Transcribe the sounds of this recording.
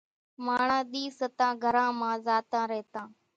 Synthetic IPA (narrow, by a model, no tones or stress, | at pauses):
maːɳãːɗ̪iːsət̪ãːɡʱəɾãːmãːzaːt̪ãːɾɛɦːt̪ãː